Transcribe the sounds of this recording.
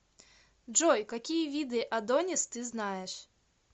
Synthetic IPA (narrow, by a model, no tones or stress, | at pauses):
ʐɔjkakʲijɛvʲid̪ɨʔad̪ɔnʲɛst̪ɨznajɛʂ